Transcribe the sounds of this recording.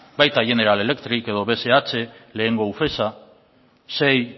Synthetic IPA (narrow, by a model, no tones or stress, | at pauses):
bajt̪aʝe̞ne̞ɾale̞le̞kt̪ɾike̞ðo̞βe̞se̞at͡se̞le̞ːŋɡo̞ufe̞sa | se̞j